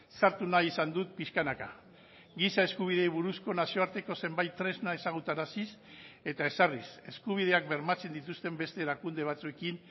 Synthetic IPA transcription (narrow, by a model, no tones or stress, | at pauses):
saɾt̪unaisand̪ut̪̚piskanaka | ɡisae̞skuβ̞iðe̞jβ̞uɾusko̞nasio̞aɾt̪e̞ko̞se̞mbajt̪ːɾe̞znae̞saɣ̞ut̪anasise̞t̪ae̞sarise̞skuβ̞ið̞e̞ak̚be̞ɾmat͡se̞nd̪it̪ust̪e̞mbe̞st̪e̞lakund̪e̞β̞at͡sue̞kin